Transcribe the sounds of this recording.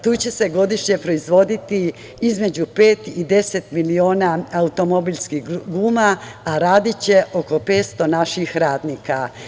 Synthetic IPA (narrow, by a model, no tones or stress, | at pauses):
t̪uːt͡ɕe̞se̞ɡo̞d̪iʃɲe̞pɾo̞izʋo̞d̪it̪i | izme̞d͡ʑupe̞ːt̪id̪e̞se̞t̪milio̞ːnaaut̪o̞mo̞biʎskihɡuːmaaɾaːd̪it͡ɕe̞ʔo̞ko̞peːt̪st̪o̞naʃixɾaːd̪niːka